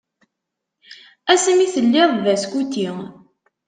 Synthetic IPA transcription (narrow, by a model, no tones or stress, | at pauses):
æsmiθəlːɪðˤðæskut̪i